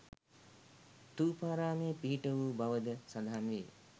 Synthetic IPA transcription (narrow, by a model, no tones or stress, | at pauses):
t̪uːpaːɾaːmeːpiɦiʈəʋuːbaʋəd̪əsad̪aɦanʋḛː